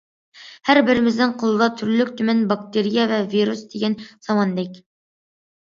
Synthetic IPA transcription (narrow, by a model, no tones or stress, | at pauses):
hæɾbɪɾɪmɪznɪŋqʰolˠɨd̪ɑt̪ʰyɾlykʲt̪ʰymɛnbɑk̚t̪eɾijɛvɛviɾusd̪eɡʲɛnz̥ɑmɑnd̪ɛkʲ